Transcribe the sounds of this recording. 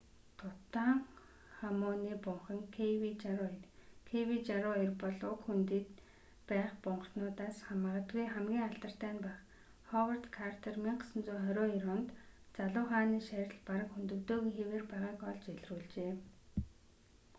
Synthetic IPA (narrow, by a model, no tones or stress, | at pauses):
t̪ʰʊt̪aːŋ | χamʊːniːpʊɴχə̆ŋkʰwit͡ɕː | kʰewit͡ɕaɾʊirpɔɮʊkxunt̪iːt̪ | pæːχpʊɴɢ̆nʊːt̪aːsχamə̆ːʁə̆t̪ɡujχæmɡʲiːŋaɬt̪ə̆r̥t̪æːnpæχ | χɔwər̥t̪kʰart̪ʰermiŋɢsə̆nt͡suːχœɾʲoːiɾʊːnt̪t͡saɮʊːχaːniːʃæɾʲɪ̆ɮpaɾə̆kxunt̪ɵ̆kt̪oːɣixeweːrpæːʁaːkɔɮt͡ɕeɮruːɮt͡ɕeː